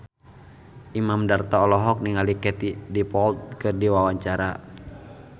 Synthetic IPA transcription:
ʔimamdart̪aɔlɔɦɔk̚niŋalikɛt̪idipɔlt̪̚kɨrdiwawaɲt͡ʃaɾa

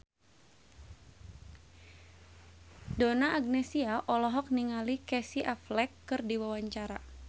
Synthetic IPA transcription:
donaʔːɡ̚nɛsiaʔɔlɔɦɔk̚niŋalikɛsiʔaflɛkːɨrdiwawaɲt͡ʃaɾa̰

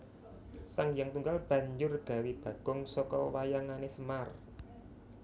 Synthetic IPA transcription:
saŋjaŋt̪uŋɡalb̥ä̤ɲd͡ʒʊrɡ̥a̤wib̥a̤ɡ̥ʊŋsɔkɔwajaŋanesəmar

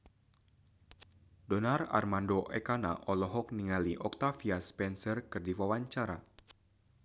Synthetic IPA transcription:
dɔnara̰rmandoʔɛkana̰ʔɔlɔɦɔk̚niŋaliʔɔk̚t̪afiaspɛnsərkɨrdiwawaɲt͡ʃaɾa

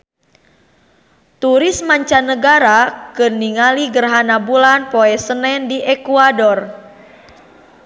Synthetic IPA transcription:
t̪uɾismaɲt͡ʃanəɡaɾakɨrniŋaliɡərɦanabulanpoɛsənɛndiʔɛkuadɔr

